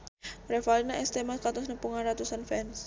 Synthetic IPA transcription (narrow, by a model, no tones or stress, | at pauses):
rɛfalinaʔɛst̪emaskat̪ɔsnəpuŋanrat̪usanfɛns